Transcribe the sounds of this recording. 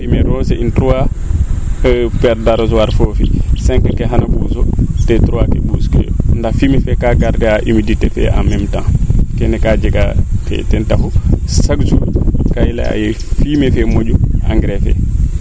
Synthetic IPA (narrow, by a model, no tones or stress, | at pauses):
imɛɾɔsɛintɾua | pɛɾdaɾɔzɔwaɾfofisɛŋkɛkɛɦanabuzɔtɛtɾuwakɛbuskɛ̰jɔ̰ndafiːmɛfɛkaɡaɾdɛaʔimiditɛfɛ̰ʔa̰mɛmtankɛnɛkad͡ʒɛɡafɛ̰tɛntafusaɡd͡ʒukajla̰a̰jɛ | fimɛfɛmod͡ʒuaŋɡɾɛfɛ̰